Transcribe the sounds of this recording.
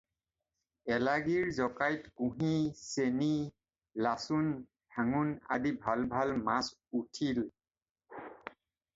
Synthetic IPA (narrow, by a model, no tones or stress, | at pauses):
ɛlaɡiɹzɔkajtkũɦiseni | lasun | d̥ʱaŋuna̰dibʱalbʱalmas | utʰil